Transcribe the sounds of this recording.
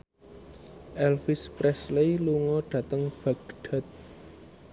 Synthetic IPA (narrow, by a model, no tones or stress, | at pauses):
ʔɛlfispɾɛslejluŋɔɖ̪̥ä̤t̪əŋb̥a̤ɡ̥ɖ̥a̤t̪̚